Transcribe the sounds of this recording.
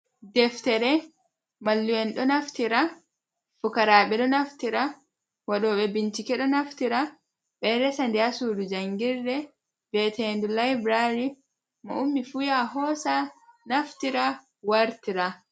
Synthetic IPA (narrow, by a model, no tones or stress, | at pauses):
dɛftɛɾɛ | malːujɛnɗɔnaftiɾa | fukaɾaːɓɛɗɔnaftiɾa | waɗɔːɓɛbintikɛɗɔnaftiɾa | ɓɛɾɛsandɛasuːdud͡ʒaŋɡiɾːɛ | bɛtɛndulajbɾaɾi | mɔʔumːifujaɦɔːsanaftiɾa | waɾtiɾa